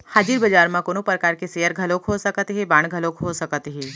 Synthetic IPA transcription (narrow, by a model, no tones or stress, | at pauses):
haːd͡ʒiɾbɐd͡ʒaːɾmãkonopɾəkaːɾkeseːəɾɡʱɐlokɦosɐkət̪ɦɛbãːɽ̃ɡʱɐlokɦosɐkət̪ɦɛː